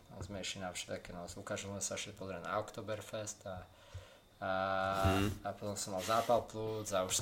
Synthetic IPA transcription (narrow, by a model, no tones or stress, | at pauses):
ɔ̰zmɛʃinafʃɛd̪akɛnɔzukaʒilzmɛsaɔʃɛpɔzɾɛna̰ɔkt̪ɔːbɛɾfɛst̪a | pɔt̪ɔmsɔmːalˠzaːpalˠplut͡sauʃ